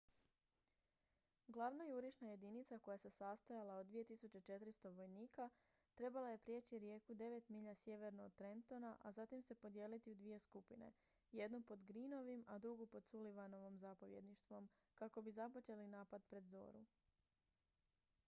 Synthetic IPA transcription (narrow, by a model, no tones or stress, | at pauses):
ɡlˠaʋnajuɾiʃnaje̞d̪init̪sako̞jase̞sast̪ajalaod̪ːʋije̞t̪isut͡ɕe̞t͡ʃe̞t̪ɾist̪o̞ʋo̞jniːka | t̪ɾe̞balaje̞pɾje̞t͡ɕiɾje̞ːkud̪e̞ʋe̞t̪miʎasje̞ʋe̞ɾnoːd̪̚t̪ɾe̞nt̪o̞naʔazat̪imse̞po̞d̪je̞ːlit̪iud̪ʋije̞skupine̞̰ | je̞d̪nupo̞d̪ɡɾino̞ʋimad̪ɾuɡupo̞d̪suliʋano̞ʋomzapo̞ʋje̞d̪niʃt̪ʋo̞m | kako̞bizapo̞t͡ʃe̞linaːpad̪pɾe̞d̪zo̰ːɾu